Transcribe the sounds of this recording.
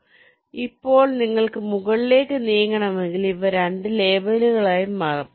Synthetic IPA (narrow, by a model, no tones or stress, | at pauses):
ipːo̞ːɭniŋːɐɭkɨmuɣɐɭile̞ːkːɨniːjɐŋɡɐɳɐmeŋɡiliʋɐɾɐɳɖɨle̞ːbɐluɣɐɭaːjumːɐrɐm